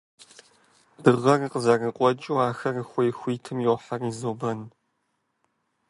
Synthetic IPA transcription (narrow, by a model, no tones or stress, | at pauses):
d̥ɨʁɐriqəzarɐqʷʼɔt͡ʃʼiwaːxɐrəxʷejxʷiːtʰɨmjɛwħarizoːbɐn